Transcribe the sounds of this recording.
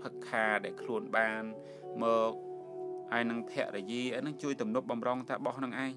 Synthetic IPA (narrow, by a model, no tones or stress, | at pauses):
pʰɨkʰːaːɗaɛlkʰluənɓaːn | mɔːk̚ | haɔjnɨŋt̪ʰɛ̆əʔrɛjiəʔəjnɨŋt͡ɕuəjt̪umnup̚ɓɑmrɑŋt̪aːɓɑhnɨŋʔaɛɲ